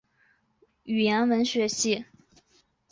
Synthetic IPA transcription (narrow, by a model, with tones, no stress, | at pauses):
y˨˩jɛ˧˥nwə˧˥nɕɥɛ˧˥ɕi˥˩